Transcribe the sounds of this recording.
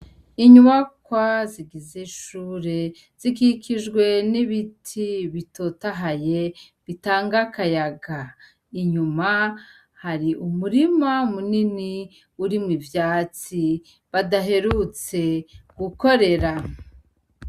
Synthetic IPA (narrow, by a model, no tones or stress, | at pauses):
iɲuβakwaziɡizeʃuːɾe̞ | z̥ikikiʒɡwe̞niβitʰiβito̞taɦaje̞ | βitaːŋɡakajaɡa | iɲuma | haɾiʔumuɾimamunini | uɾimŋivjaːt͡si | βadaɦe̞ɾut͡se̞ɡ̥uko̞ɾe̞ɾa